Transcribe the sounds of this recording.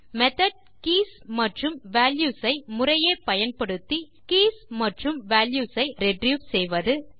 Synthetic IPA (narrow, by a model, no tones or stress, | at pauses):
mɛt̪ɐɖ̚ | kiːsmɐʈrɯmʋaːljuːsɐɪmʊrɐjeːpɐjɐnpɐɽɯt̪ːi | kiːsmɐʈrɯmʋaːljuːsɐɪɾɛɖrjuːʋsɛjʋɐðɯ